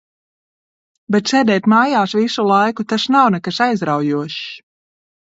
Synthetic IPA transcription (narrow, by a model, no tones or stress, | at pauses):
bɛt̪ʃɛːd̪ɛjt̪maːjaːʃvisulˠajkut̪aʃnawnɛkaʃajzɾawjuɔʃ